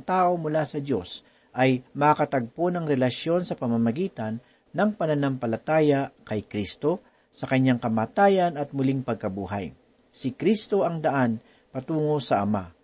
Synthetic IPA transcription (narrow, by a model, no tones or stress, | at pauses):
ŋt̪aːʔo̞mʊlaːsɐd̪jos | ʔɐjmɐakɐt̪ɐɡ̚ponɐŋɾɛlɐʃjo̞nsɐpɐmamɐɡiːt̪ɐnː | ɐŋpɐnɐnampɐlɐt̪aːjakɐjkɾist̪o̞ | sɐkɐɲːaŋkɐmaːt̪aːjɐnɐt̪̚mʊliŋpɐɡ̚kɐbuːɦa̰j | sɪkɾist̪o̞ɐŋd̪ɐʔan | pɐt̪uːŋo̞sɐʔɐma̰